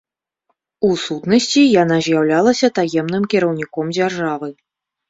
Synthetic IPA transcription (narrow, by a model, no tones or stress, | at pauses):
usut̪nɐsʲt͡sʲijanazʲjawlʲalˠɐsʲɐt̪ajɛmnɨmkʲiɾɐwnʲikɔmd͡zʲarʐavɨ